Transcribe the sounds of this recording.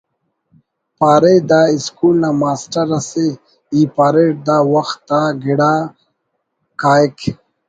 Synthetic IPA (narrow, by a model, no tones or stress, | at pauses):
paːɾed̪aiskulnamaːsʈɐɾase | ipaːɾeʈ̚d̪awaxt̪ːaɡiɽa | kaːk